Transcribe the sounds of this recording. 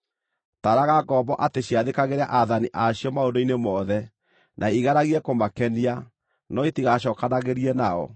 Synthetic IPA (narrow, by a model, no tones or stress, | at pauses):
taɾaɣaɡɔbɔʔateɕiaðekaɣeɾa̰ʔaðaniʔaɕiɔmaondoinemɔðɛ | nʔaiɣaɾaɣiɛkomakɛnia | nɔetiɣaɕ̬ɔːkanaɣeɾiɛnaɔ̰